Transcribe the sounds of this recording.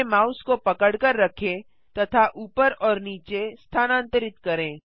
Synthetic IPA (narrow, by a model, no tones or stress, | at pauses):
maːʊskopɐkəɽkəɾːɐkʰẽ | t̪ɐt̪ʰaʔuːpəɾɔːɾniːt͡ʃest̪ʰaːnãːnt̪əɾɪt̪kɐɾẽː